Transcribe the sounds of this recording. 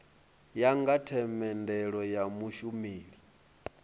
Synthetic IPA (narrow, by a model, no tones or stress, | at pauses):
jaŋɡatʰɛmɛndɛɺɔjamuʃumiːɺi